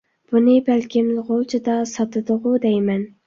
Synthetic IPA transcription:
b̥unɪbælkʲʰɪmlʁolˠt͡ʃʰɪd̪ɑsɑt̪ɨd̪ʊʁʊd̪ɛjmɛn

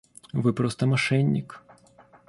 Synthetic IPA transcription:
vɨpɾɔst̪ɐmaʂɛnʲːik

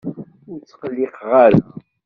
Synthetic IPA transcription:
ʊɾt͡sːqəlːɪqʁaɾa

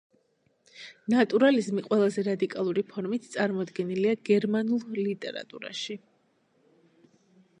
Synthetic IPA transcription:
nat̪ʼuɾalizmiqʼwɛlˠazɛɾad̪ikʼalˠuɾipʰɔɾmit̪ʰt̪sʼaɾmɔd̪ɡɛniliaɡɛɾmanulˠlit̪ʼɛ̰ɾa̰t̪ʼṵɾa̰ʃi

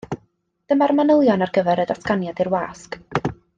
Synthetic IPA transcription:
d̥əmarmanəlˠjɔnarɡəvɛɾədaskanjadɪrwaːsk

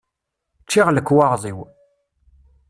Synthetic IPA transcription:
t͡ʃːiʁləkːwɑʁzˤiw

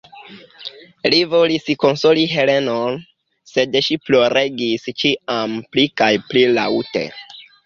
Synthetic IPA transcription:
livo̞lisko̞nso̞liɦe̞le̞non | se̞dʃiplo̞ɾe̞ɡist͡ʃiamplikajplila̰wte̞̰

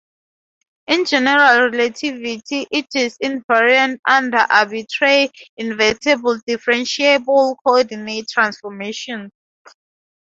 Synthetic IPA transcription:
ĩnd͡ʒɛnɛɹalɹɛlatʰivitʰiʔitʰisĩnvaɹiãntãndaʔabitʰɹeĩnvɛtʰɛbldifɛɹɛ̃nʃiebɔlkʰɔɔdinettʰːɹãnsfɔmeʃɔ̃n

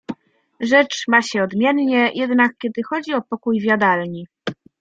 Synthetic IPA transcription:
ʐɛt͡ʂmaɕɛɔd̪mʲjɛnɲɛjʔɛd̪nak̚kʲɛd̪ɘxɔd͡ʑiɔpɔkujvʲjad̪alɲi

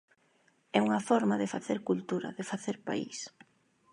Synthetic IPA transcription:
ɛuŋɐfɔɾmaðɪfaθeɾkult̪uɾɐ̰ðefaθeɾpa̰ḭs

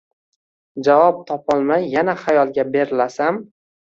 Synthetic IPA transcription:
d͡ʒavɒp̚t̪ʰɒpʰɒlˠmajːanaχajɒlˠɡʲabe̞ɾɪlasam

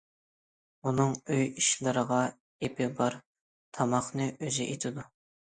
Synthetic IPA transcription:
unɨŋøjiʃlˠɨɾəʁɑ | epʰɪbɑɾ | t̪ʰɑmɑχnɨʔøzɪʔet̪ʰɪd̪u

